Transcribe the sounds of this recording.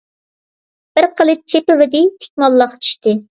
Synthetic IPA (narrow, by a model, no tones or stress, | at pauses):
b̥ɪɾqʰəlˠɨt͡ʃʰepɪvɪd̪ɪt̪ʰe̥k̚ʲmɑlˠːɑqt͡ʃʰy̥ʃt̪ɨ